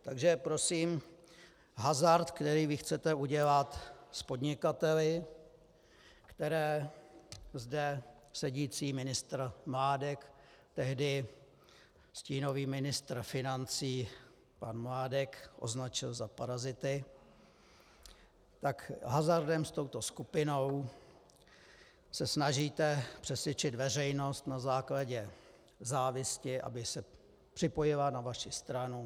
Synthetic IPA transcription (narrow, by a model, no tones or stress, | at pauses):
t̪aɡʒɛpɾo̞siːm | ɦazaɾt̪kt̪ɛɾiːvɪxt͡sɛt̪ɛʔuɟɛlat̪spo̞dɲɪkat̪ɛlɪ | kt̪ɛɾɛː | zdɛsɛɟiːt͡siːmɪnɪst̪ɾmlaːdɛkt̪ɛɦdɪ | sciːnoviːmɪnɪst̪ɾfɪnant͡siː | panmlaːdɛkʔo̞̰znat͡ʃɪlzapaɾazɪt̪ɪ | t̪akɦazaɾdɛmst̪o̞wt̪o̞skupɪnow | sɛsnaʒiːt̪ɛpr̥ɛsvʲɛt͡ʃɪt̪vɛrɛjno̞st̪nazaːklaɟɛ | zaːvɪscɪʔa̰bɪsɛ | pr̝̥ɪpo̞jɪlanavaʃɪst̪ɾanu